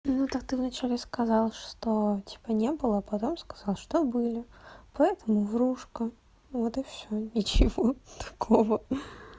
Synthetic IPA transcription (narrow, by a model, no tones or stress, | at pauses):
nut̪ak̚t̪ɨvnɐt͡ɕælʲɪskɐzɑlˠʂt̪otʲʰi̥pənʲebɨlˠəːpɐt̪omskɐ̥zɑlˠʂt̪obɨlʲɪpɐɛt̪əmʊvɾuʂkə | vot̪ɨfsʲonʲɪt͡ɕɪvot̪ɐ̥kʰovə